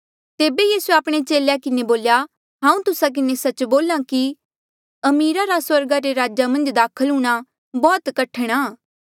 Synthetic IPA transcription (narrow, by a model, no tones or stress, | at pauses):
t̪eːbejiːsueaːpɽ̃et͡ʃeːljakɪneboːlja | ɦãːũt̪ʊsak̬ɪnesɐt͡ʃboːlãki | ɐmiːɾaɾaswɐɾɡaɾeɾaːd͡ʒamɐ̃nd͡ʒd̪aːkʰəlɦuːɽ̃a | bɔːt̪kɐʈʰəɽ̃aː